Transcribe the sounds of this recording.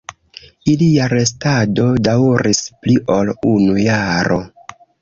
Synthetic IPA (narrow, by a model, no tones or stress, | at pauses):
iliaɾe̞stado̞dawɾispliʔo̞lunujaɾʔo̞